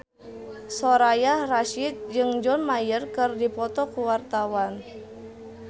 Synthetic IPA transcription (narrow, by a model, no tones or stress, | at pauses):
soɾajahraʃit̪̚d͡ʒɨŋd͡ʒɔnmajərkɨrdipɔt̪ɔkuwart̪awan